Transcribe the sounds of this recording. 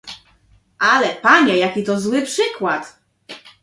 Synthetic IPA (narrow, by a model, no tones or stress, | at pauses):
ʔalɛpaɲɛjakʲit̪ɔzwɘpʂɘkwat̪